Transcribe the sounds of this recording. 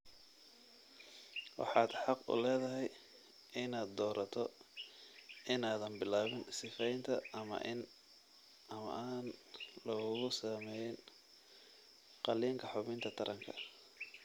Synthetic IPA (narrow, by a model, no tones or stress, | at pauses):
wʔɑ̰ħɑːd̪ħɑqʊ̰lɛːðɐɦɛj | ɪnaːd̪d̪ɔːɾʔɐt̪ʰɔ | ɪnaːðɐnbɪlaːβɪnsɪfɛjɪnt̪ʰɐɐmɐ̰n | ɐmɐ̰ʔaːnlɔɣɣʊsaːmɛjɪn | qɑliːŋkʰɐħʊβɪnt̪ʰɐt̪ʰɐɾʔɐŋkʰɐ̰